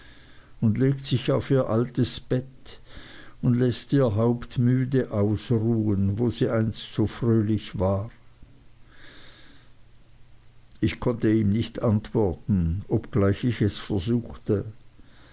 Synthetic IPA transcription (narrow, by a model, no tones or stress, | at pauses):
ʊndleːktsɪçaʊfiːɐʔaltəsb̥ɛt | ʊndlɛstiːɐɦaʊptmyːdəʔaʊsʁuːənvoːziːʔaɪnstz̥oːfʁøːlɪçvaː | ɪçkʰɔntəiːmnɪçtantv̥ɔɐtn̩ɔpɡ̥laɪçɪçɛsfɛɐzuːxtə